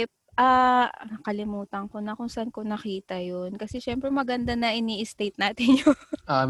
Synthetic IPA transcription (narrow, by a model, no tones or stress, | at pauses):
p̚ | ʔa | kɐlɪmuːt̪ɐŋko̞nɐkʊŋsɐʔanko̞nɐkiːt̪ɐjonkɐsɛʃɛmpɾɛmɐɡɐnd̪anɐʔɪniːʔɪst̪ejt̪̚naːt̪ɪnjona